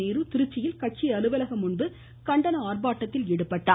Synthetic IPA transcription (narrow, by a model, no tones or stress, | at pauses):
eːɾɯt̪ɪɾɯt͡ʃːɪjɪlkɐʈ̚t͡ʃiɐlɯʋɐlɐɣɐmʊɳbɯ | kɐɳɖɐnɐaːrbaːʈːɐt̪ːɪlɪɽɯpːɐʈːa̰ː